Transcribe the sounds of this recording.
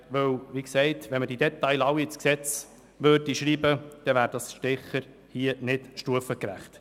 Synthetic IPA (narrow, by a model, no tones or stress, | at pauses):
ʋœwʋiksɛɪtʋɛnməd̥id̥̪ɛt̪ɑɪlɑwit͡sksɛt͡s | ʋøɾdiʃɾiːbəd̥ɛʋæːɾd̥ɑsʃtɪχəɾ | hiənɪtʃtuəfəkɾæ̰χt